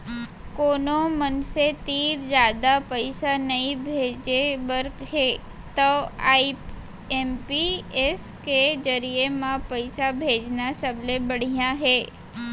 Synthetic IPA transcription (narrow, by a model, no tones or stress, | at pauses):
konomənset̪iɾd͡ʒad̪apəjsanəɦĩbʱed͡ʒebəɾkɦe | t̪oaip | empiesked͡ʒəɾijemãpəjsabʱed͡ʒnasəblebəɽ̤ijãɦe